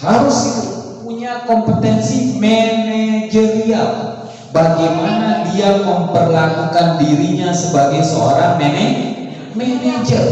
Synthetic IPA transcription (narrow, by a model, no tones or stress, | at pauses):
haɾʊsit̪upuɲakɔmpət̪ɛnsimɛned͡ʒəɾial | baɡajmanadiaməmpərlakukandiɾiɲasəbaɡajsəo̰ɾaŋmenɛh | mɛned͡ʒa